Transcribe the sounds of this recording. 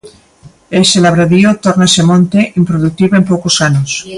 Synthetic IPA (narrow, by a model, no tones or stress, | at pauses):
eselaβɾaðiot̪oɾnaesemõnt̪eʔimpɾoðuk̚t̪iβoempowkosanos